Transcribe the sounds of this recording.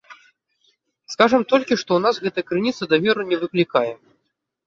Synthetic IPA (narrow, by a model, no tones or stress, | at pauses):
skaʐɐmt̪ɔlʲkʲiʂt̪ɔunasɣɛt̪ɐɐkɾɨnʲit̪sɐd̪ɐvʲɛɾunʲɛvɨklʲikajɛ